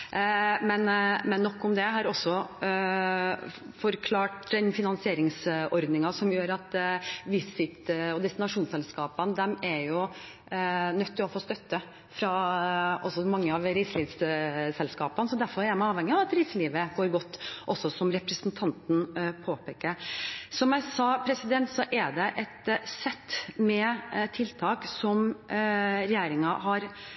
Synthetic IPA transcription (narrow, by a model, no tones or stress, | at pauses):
mɛnmɛnːɔkːɔmd̪ɛɦɑɾɔsːɔ | fɔɾkʰlɑːʈd̪ɛnfɪnɑnsɪeːɾɪŋsɔɾd̪nɪŋɑsɔmjøːɾɑt̪ʋɪsɪt̪ɔd̪ɛst̪ɪnɑʂuːnsɛlskɑːpənd̪ɛmɛɾjʊ | nœt̪ʰːɪlɔfoːst̪œt̪ːə | fɾɑ | ɔsɔmɑŋːəɑʋɾisəliːssɛlskɑːpənsɔd̪æɾfɔɾɛɾmæɑːʋhɛŋːɪɑʋɑt̪ɾisəliːʋəɡoːɾɡɔt̪ːʔɔsːɔsɔmɾɛpɾəsnt̪ʰɑnt̪n̩pʰoːpʰeːkəsɔmjæɪsɑpʰɾɛsɪd̪ɛnt̪sɔʔɛɖɛʔɛt̪sɛt̪ːmɛt̪ʰːɪlt̪ʰɑːksɔm | ɾɛjeːɾɪŋɑhɑɾ